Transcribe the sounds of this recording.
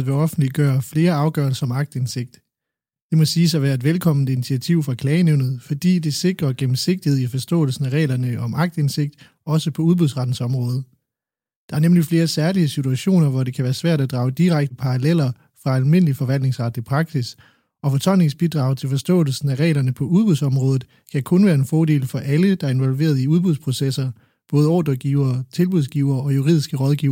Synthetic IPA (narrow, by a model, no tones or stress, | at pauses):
ʋe̝ɒ̽fn̩d̥liɡ̥ɶːɐfle̝ːɐɑ̈ʊɡ̥ɶɐlsɐɒ̽mɑ̈ɡ̥̚d̥ense̝ɡ̥̚d̥ | d̥e̝mɒ̽siːsɑʋæːɐe̝d̥ʋelkʰɒ̽m̰n̩d̥əinit͡sʰiæt͡sʰiʊ̰fʁɑ̈kʰlɛːneʊð̞̩ˠfɒ̽d̥ḭːd̥e̝se̝ɡ̥ʁɐɡ̥em̩se̝ɡ̥̚d̥iheðˠifɒ̽sd̥ɔ̰̽ːl̩sn̩æʁɛ̰ːlɐnəʔɒ̽mʔɑ̈ɡ̥̚d̥e̝nse̝ɡ̥̚d̥ | ɒ̽səpʰɒ̽uð̞ˠb̥uðˠsʁɑ̈d̥n̩sɒ̽mʁɔ̽ːð̞ˠ | d̥ɑ̈æɐnemlifle̝ːɐsæɐliəsit͡sʰuæɕo̝̰ːnɐʋɒde̝kʰæʋæːɐsʋæɐ̰d̥æd̥ʁɑ̈ʊd̥iʁaɡ̥̚d̥əpʰɑ̈ʁɑlel̰ɐ | fʁɑ̈ælme̝n̰əlifɒ̽ʋæl̰d̥ne̝ŋsʁɑ̈d̥ipʰʁɑ̈ɡ̥sis | ɒ̽fɒ̽t͡sʰɒ̽l̰ne̝ŋsb̥id̥ʁɑ̈ʊt͡sʰe̝lfɒ̽sd̥ɔ̰̽ːl̩sn̩æʁɛ̰ːlɐnəpʰɒ̽uðˠb̥uðˠsɒ̽mʁɔ̽ːð̞̩ˠ | kʰækʰɔ̽nʋæːɐe̝nfɒːde̝̰ːlfɒ̽ʔæləd̥ɑ̈æɐe̝nʋɒ̽lʋe̝̰ːɐðˠiuðˠb̥uðˠspʰʁo̝sesɐ | b̥ɔ̽ːð̞ˠəɒ̰ːd̥ɒɡ̥iːʊ̰ɐːt͡sʰe̝lb̥uðˠsɡ̥iːʊ̰ɐːɒ̽juʁḭðˠisɡ̥əʁɒ̽ðˠɡiːʊ